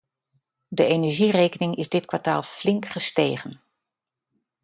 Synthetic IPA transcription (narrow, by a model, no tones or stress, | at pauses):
dəʔejnɛɹʒirejkənɪŋɪzdɪtkʋaɹta̰ːlˠflɪŋkχəstejχən